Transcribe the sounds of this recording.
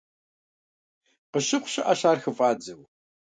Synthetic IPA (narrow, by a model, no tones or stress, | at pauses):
qəɕɪqʷʊ̥ɕɪʔaɕaːrxɨfʼaːd͡zɐw